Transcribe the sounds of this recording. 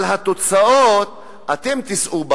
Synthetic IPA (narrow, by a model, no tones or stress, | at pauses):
lɦat̪o̞t͡saot̪̚ | at̪emt̪isʔub